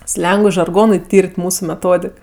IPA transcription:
ˈsʲlʲɛŋɡʊɪ ʒɐrˈɡoːnʊɪ ˈtʲiːrʲtʲ ˈmuːsʊ mʲɛˈtoːdʲɪk

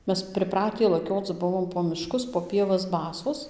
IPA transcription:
ˈmʲɛs pʲrʲɪˈprɑːtʲiː lˠɐˈkʲoːt͡s ˈbʊʋoːm poː mʲɪˈʃkʊs poː pʲiɛˈʋɐs ˈbɑːsoːs

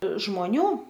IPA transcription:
ʒmoːˈnʲuː

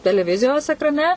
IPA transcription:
tʲɛlʲɛˈʋʲɪzʲɪjoːs ɛkrɐˈnʲɛ

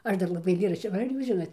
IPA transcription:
ˈɐʃ ˈdɐr lˠɐˈbɐɪ ɐɪˈlʲeːrɐʃʲt͡ʃʲoː ʋɐ ˈɐr ˈjuːs ˈʒʲɪnoːt

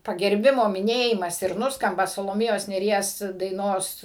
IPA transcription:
pɐɡʲɛrʲˈbʲɪmoː mʲɪˈnʲeːjɪmɐs ɪr ˈnʊskɐmbɐ sɐlˠoːˈmʲeːjoːs nʲeːˈrʲiɛs dɐɪˈnoːs

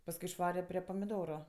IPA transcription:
pɐsˈkʊɪ ɪʃˈʋɑːrʲɛ ˈpʲrʲeː pɐmʲɪˈdoːrʊ

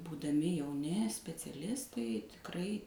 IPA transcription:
buːdɐˈmʲɪ jɛʊˈnʲɪ sʲpʲɛt͡sʲɛˈlʲɪstɐɪ tʲɪkˈrɐɪ

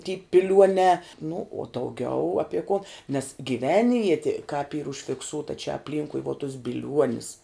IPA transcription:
tʲiː pʲɪˈlʲuɔnʲɛː nʊ uɔ dɐʊˈɡʲɛʊ ˈɑːpʲiɛ koːn nʲɛs ɡʲiːˈʋʲɛnʲʋʲiɛtʲɪ kɑːp iːr ʊʃʲfʲɪkˈsuːtɐ t͡ʃʲɛ ɐpʲˈlʲiːŋkʊɪ ʋuɔ tʊs bʲɪlʲˈuɔnʲɪs

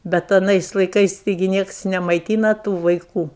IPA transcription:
ˈbʲɛt ɐˈnɐɪs lˠɐɪˈkɐɪs tɐɪˈɡʲɪ ˈnʲiɛks nʲɛmɐɪˈtʲiːnɐ ˈtuː ʋɐɪˈkuː

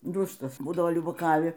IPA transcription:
ˈdʊstɐs ˈbuːdɐʋoː lʲʊbɐˈkɑːʋʲɪ

